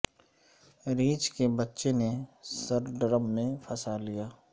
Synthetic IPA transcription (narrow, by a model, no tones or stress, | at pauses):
ɾiːt͡ʃkebɐtːʃenesɐɾɖɾəmːẽfʰɐsalijaː